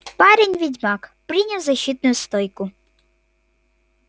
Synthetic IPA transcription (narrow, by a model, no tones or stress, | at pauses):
pɑɾʲinʲʋʲidʲmɑkpɾɪnʲɐwzɐɕʲit̪̚nʊjʊst̪ɔjkʊ